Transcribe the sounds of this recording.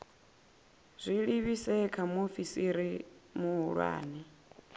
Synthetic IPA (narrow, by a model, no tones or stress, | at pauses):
zʷiɺiβisɛkʰamufisiɾimuɦuɺwa̰ːnɛ